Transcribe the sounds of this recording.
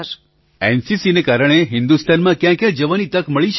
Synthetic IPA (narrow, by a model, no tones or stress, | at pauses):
ɛnsisinekaɾəɳ̃eɦɪnd̪ust̪ʰanmãkjãkjãd͡ʒəʋanit̪əkməɭiʃʰ